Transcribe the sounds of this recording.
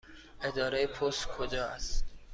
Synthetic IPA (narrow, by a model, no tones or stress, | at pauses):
ed̪ɒːɾɛjepʰost̪kʰod͡ʒɒːæ̰st